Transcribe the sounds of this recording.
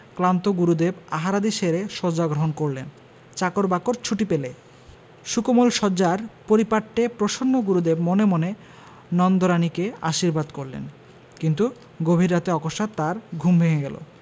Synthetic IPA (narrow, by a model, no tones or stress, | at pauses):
klant̪oɡuɾud̪ebaɦaɾad̪iʃeɾeʃɔd͡ʑaɡɾoɦonkoɾlen | t͡ɕakoɾbakoɾt͡ɕʰuʈipele | ʃukomolʃɔd͡ʑaɾpoɾipaʈːepɾoʃonːoɡuɾud̪ebmonemone | nɔnd̪oɾanikea̰ʃiɾbad̪koɾlḛn | kint̪u | ɡobʱiɾːat̪eɔkoʃat̪ːaɾɡʱumbʱeŋeɡɛlo̰